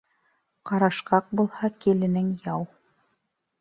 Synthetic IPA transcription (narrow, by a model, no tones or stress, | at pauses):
qɑɾɑʃqɑq̚bulˠhɑkilɘ̆nɘŋjɑw